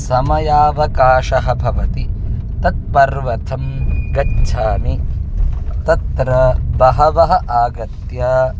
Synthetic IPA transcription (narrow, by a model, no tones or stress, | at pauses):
sɐmɐjaːʋɐkaːʃɐɦɐbʱɐʋɐt̪i | t̪ɐt̪̚pɐɾʋɐt̪ʰɐmɡɐdʃʰaːni | t̪ɐt̪ɾɐbɐɦɐʋɐɦɐ̆ʔaːɡɐt̪jaː